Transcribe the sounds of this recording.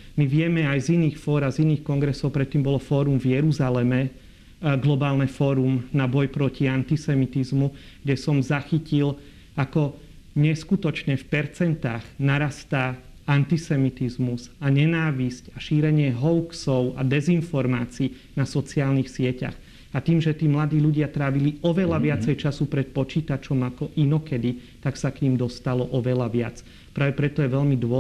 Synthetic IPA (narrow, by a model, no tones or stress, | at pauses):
miʋɪɛmɛajziniːxfɔːɾaziniːxkɔŋɡɾɛsɔʊpɾɛt̪ːiːmbɔlɔfɔːɾumvjɛɾuzalɛmɛ | ɡlɔbaːlnɛfɔːɾumnabɔjpɾɔciant̪isɛmit̪izmu | ɡ̥ɟɛsɔmzaxicil | akɔ | ɲɛskut̪ɔt͡ʃɲɛfpɛɾt͡sɛnt̪aːɣnaɾast̪a | ant̪isɛmit̪izmuzaɲɛnaːʋiscaʃiːɾɛɲɪɛɦɔʊksɔʊa̰d̪ɛzinfɔɾmaːt͡siː | nasɔt͡siaːlnixsɪɛca̰x | at̪iːmʒɛt̪iːmlad̪iːʎuɟɪat̪ɾaːʋiliɔʋɛlaʋɪat͡sɛjt͡ʃasupɾɛt̪̚pɔt͡ʃiːt̪at͡ʃɔmakɔʔinɔkɛd̪i | t̪aksakɲiːmd̪ɔst̪alɔʔɔʋɛlaʋɪat͡s | pɾaːʋɛpɾɛt̪ɔjɛʋɛʎmid̪ʋɔ